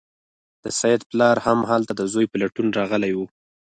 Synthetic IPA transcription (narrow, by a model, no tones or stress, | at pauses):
d̪̥əsajɪd̪plɑɾhamɦɑlt̪ad̪əzojpalaʈunɾɑɣəlajwu